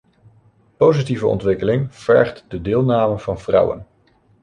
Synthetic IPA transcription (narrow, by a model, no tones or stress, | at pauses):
powzitivəɔ̰ntʋɪkəlɪŋv̥ɛ̰ɹχtdədɪːlˠnaːməv̥ɑnvrʌ̰wə̰n